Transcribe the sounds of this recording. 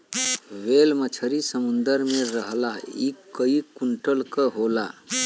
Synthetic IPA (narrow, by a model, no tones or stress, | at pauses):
ʋelmət͡ʃʰəɾisəmund̪əɾmeɾəɦlaikːəikuɳʈəlkəɦola